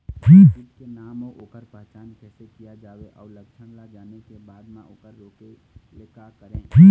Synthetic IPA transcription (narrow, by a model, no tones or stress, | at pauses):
pʰiːɪkenaːmoʔoːkəɾpɛɦt͡ʃaːnkɛːsekijad͡ʒaːʋeʔɔːləkt͡ʃʰəɽlad͡ʒaːnekebaːd̪mãoːkəɾːoːkeleːkakəɾẽpʰiː